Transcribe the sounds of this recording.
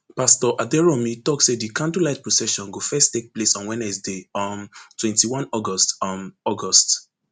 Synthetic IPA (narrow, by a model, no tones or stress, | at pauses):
pastɔʔadɛɹɔmitɔksedikʰãndulaɪt̚pɹɔsɛʃɔ̃nɡofɛstːek̚plesɔ̃nwɛ̃nɛsdeɔ̃ntwɛ̃ntiwãnɔɡɔstɔnɔɡɔst